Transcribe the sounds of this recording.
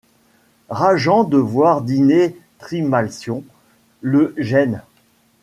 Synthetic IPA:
ʁaʒɑ̃d̪əvwaʁd̪inet̪χimalsjɔ̃ | ləʒɛn

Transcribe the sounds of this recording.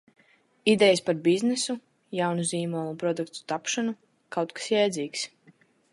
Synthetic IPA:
id̪ɛjaspaɾbiznɛsu | jawnuziːmɔːlˠupɾɔd̪ukt̪u̥t̪apʃanu | kawt̪kḁsjɛjd̪zʲiːks

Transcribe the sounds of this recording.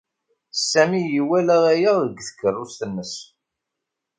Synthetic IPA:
sːæmijiwælæðæjæðəɡːθə̥kːərˤːʊst̪ənːəs

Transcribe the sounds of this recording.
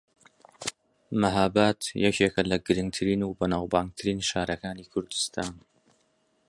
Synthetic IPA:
maɦaːbaːt̪jɛkʰeːkɐlɐɡɨɾɨŋɡ̚t̪ʰɨɾiːnuːbɐnaːwbaːŋɡ̚t̪ʰɨɾiːnʃaːɾɐkaːniːkʰʊɾd̪ɨ̥st̪ʰaːn

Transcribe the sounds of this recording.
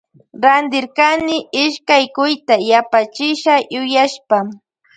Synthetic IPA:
ɾand̪ɪɾkanɪɪʃkajkʊjt̪ajapat͡ʃɪʃajʊjaʃpa

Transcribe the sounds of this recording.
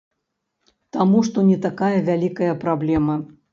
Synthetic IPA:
t̪amuʂt̪ɔnʲɛt̪akajɐvʲalʲikɐjɐpɾablʲɛmɐ

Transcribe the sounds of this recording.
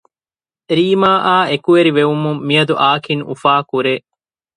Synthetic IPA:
ɾiːmaːʔaːekuʋeɾiʋeʋumumːiɐd̪uʔaːkiŋṵfaːkuɾeː

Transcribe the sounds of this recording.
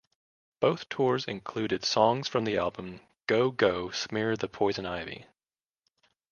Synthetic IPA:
b̥oʊθtʰɔɹzɨ̰̃nkʰl̥ʉɾɨd̥sɔ̃ŋz̥fɹʌ̃mðiæ̰lˠbə̃m | ɡ̥oʊɡoʊsmɪɹðɨpʰɔɪzɨ̃naɪvḭ

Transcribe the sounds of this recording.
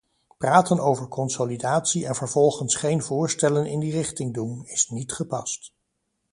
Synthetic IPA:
praːtənowvəɹkʰɔnsolidaːtsiɛnvəɹv̥ɔlˠχənsχejnvʊːɹstɛlənɪ̰ndirɪχtɪŋdunɪsnitχəpɑst

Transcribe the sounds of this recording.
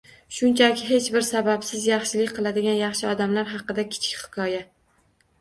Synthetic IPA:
ʃʊnt͡ʃʰakʲʰɪɦe̞t͡ʃbɪɾsabapsɪzjɑχʃɪlɪkʲqʰɨlˠad̪ɪɡʲanjɑχʃɪɒd̪amlaɾɦɑqɨd̪akʲʰɪ̥t͡ʃʰɪ̥kʲhɪ̥kʰɒja

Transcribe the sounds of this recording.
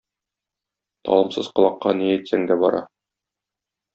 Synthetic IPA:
t̪ɒ̰lˠɤ̆msɤzqɤ̆lˠɑqːɑniæt̪sæŋd̪æbɒɾɑ

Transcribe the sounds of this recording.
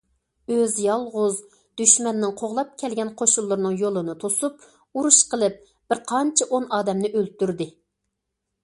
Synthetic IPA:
øzjɑlˠʁʊz | d̪yʃmɛnːɪŋqʰoʁlˠɑp̚kʲʰɛlɡʲɛnqʰoʃulˠːʊɾnɨŋjolˠɨnɨt̪ʰosup | uɾuʃqəlˠɨp̚ | b̥ɪɾqʰɑnt͡ʃʰɪʔonɑːd̪ɛmnɪʔølt̪yɾd̪ɪ

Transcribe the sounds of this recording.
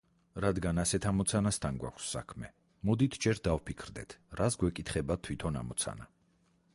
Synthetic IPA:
ɾad̪ɡanasɛt̪ʰamɔt̪sʰanast̪ʰanɡwa̰kʷʰsːa̰kʰmɛ | mɔd̪it̪ʰd͡ʒɛɾd̪avpʰikʰɾd̪ɛ̰t̪ʰɾasɡwɛkʼit̪ʰχɛbat̪ʰwit̪ʰɔna̰mɔt̪sʰa̰na

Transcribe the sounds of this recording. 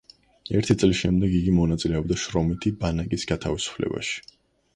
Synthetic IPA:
ɛɾt̪ʰit̪sʼlisʃɛmd̪ɛɡiɡimɔnat̪sʼilɛɔbd̪aʃɾɔmit̪ʰibanakʼisɡat̪ʰavisu̥pʰlɛ̰ba̰ʃi̥

